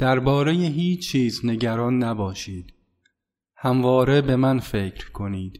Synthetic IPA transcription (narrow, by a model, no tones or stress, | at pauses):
d̪̥æɾbɒːɾe̞jeɦiːt͡ʃʰt͡ʃʰːiːzne̞ɟæɾɒːnːæbɒːʃiːd̪̥ | hæmvɒːɾe̞be̞mænfe̞ːcʰɾkʰo̞niːd̪̥